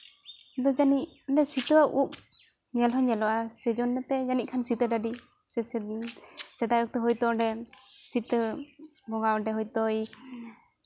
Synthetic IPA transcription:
d̪ɔd͡ʒaniɔɳɖɛsit̪əwaʔup̚ | ɲɛlɦɔɲɛlɔwasɛd͡ʒɔnːɛt̪ɛjanic̚kʰansit̪əɖaɖi | ɛ | sɛd̪ajɔk̚t̪ɛɦɔjt̪ɔɔɳɖɛsit̪ə | bɔŋaɔɖɛɦɔjt̪ɔj

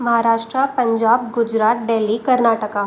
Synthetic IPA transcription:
mɐɦaːɾaːʃʈɾapɐ̃ɲd͡ʒaːbɡʊd͡ʒɾaːt̪̚ɖeːlːikɐɾnaːʈəka

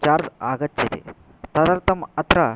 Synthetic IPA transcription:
t͡ʃaːɾd͡ʒaːɡɐt̪ːjɐt̪ḛ | t̪ɐd̪ɐɾt̪ɐmɐt̪ɾɐ

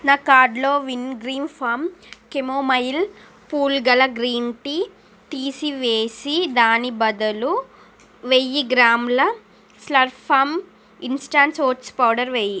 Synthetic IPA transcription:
naːkaːɖlo̞ːʋinɡɾiːnpʰaːmkemoːmɐjl | puːlɡɐlɐɡɾiːnʈi | t̪iːsiʋeːsid̪aːnibɐd̪ɐlu | ʋejiɡɾaːmlɐ | slɐɾpaːm | insʈaːnʈsoːʈspɐwɖɐɾʋeji

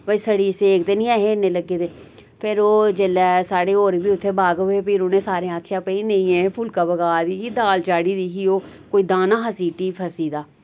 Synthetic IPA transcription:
bəisəɽiːseːkt̪eːnĩːɛːɦeːneːləɡːeːt̪eː | pʰɪɾoːd͡ʒelɛːsaːɽeːoːɾbiːʊt̪ʰːeːbaːɡeːpiɾʊnẽːsaːɾẽːaːkʰjãːpəiːnəĩẽːpʰʊlkaːbəɡaːd̪iːiːd̪aːlt͡ʃaːɽiːd̪iːɦiːoː | koːiːd̪aːnãːɦəsiːʈiːpʰəsiːd̪aː

